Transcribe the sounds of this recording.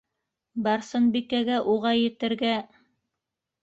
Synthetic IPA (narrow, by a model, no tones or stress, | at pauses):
bɑɾsɤnbikæɡæʔuʁɑjɘ̆t̪ɘ̆ɾɡæ